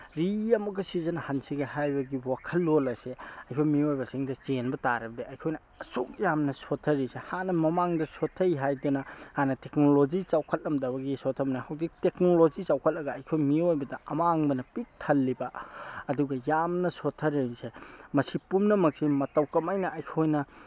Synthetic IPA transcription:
ɾiɐmɐɡɐsizɐnɐhansiɡɐhajbɐɡiwakʰɐlːolɐseɐjkʰojmiojbɐsiŋdɐt͡ʃenbɐtaɾɐbɐdiʔɐjkʰojnɐ | ɐsok̚jamnɐsotʰɐɾisehanɐmɐmaŋdɐsotʰːɐjɦajdunɐhanɐtek̚nolod͡ʒit͡ʃawkʰɐt̚lɐmdɐbɐɡisotʰːɐmnahawdik̚tek̚nolozit͡ʃawkʰɐt̚lɐɡɐːjkʰojmiojbɐdɐɐmaːŋbɐnɐpik̚tʰɐlːibɐɐduɡɐjamnɐsotʰːɐɾijsemɐsipumnɐmɐk̚simɐtɐwkɐmajnɐɐjkʰojnɐ

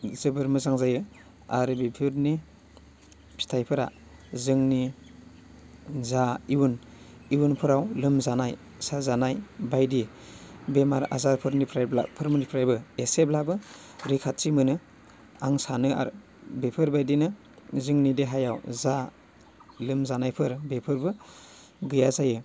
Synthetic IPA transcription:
zɯbɯɾmɯzaŋzajɯ | aɾbepʰɯɾni | pʰi̥tʰajpʰɯɾa̰ | zɯŋni | zaiwun | iwunpʰɯɾawlɯmzanaj | sazanajbajdi | bemaɾa̰zaɾpʰɯɾnipʰɾajbla̰pʰɯɾmɯnipʰɾajbɯeseblabɯ | ɾikʰat̚simɯnɯ | aŋsanɯa̰ɾ | bepʰɯɾbajdinɯ | zɯŋnideɦajawza | lɯmzanajpʰɯɾbepʰɯɾbɯ | ɡɯjazajɯ

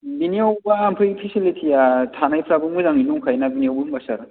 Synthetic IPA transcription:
binijawbaːmpʰɯjpʰisilitʰijatʰanajpʰɾabɯmɯzaŋinuŋkʰajnabinijawbuuŋbasaɾ

